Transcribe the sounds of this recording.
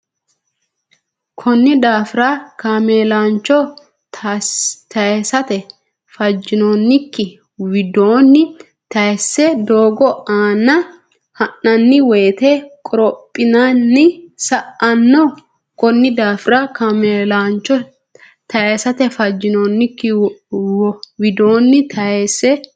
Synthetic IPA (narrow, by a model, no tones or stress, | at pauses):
kʰɔnːɪd̪aːfɪɾakameːlaːnt͡ʃːɔ | t̪ɐɛsɐt̪ɛ | fɐd͡ʒːɪnoːnːɪkːɪ | wɪd̪oːnːɪ | t̪ɐɛsːɛd̪oːɡɔaːnːɐ | hɐnːɐnːɪweːt̪ɛkʼɔɾɔpʼːɪnɐnːɪsɐʔɐnːɔ | kɔnːɪd̪aːfɪɾɐkɐmeːlaːnt͡ʃːɔ | t̪ɐesɐt̪ɛfɐd͡ʒːɪnoːnːɪkːɪwɔwɪd̪oːnːɪt̪ʰɐesːɛ